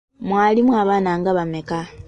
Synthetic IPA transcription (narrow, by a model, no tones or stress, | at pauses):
mwaːlimwaːβaːnaŋɡaβameka